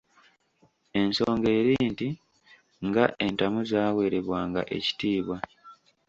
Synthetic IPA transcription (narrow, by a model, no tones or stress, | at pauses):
e̞nso̞ːŋɡe̞ːɾiːnti | ŋɡaʔe̞ntamuzaːwe̞ːɾe̞βwaːŋɡa̰ʔe̞̰ci̥tiːβwa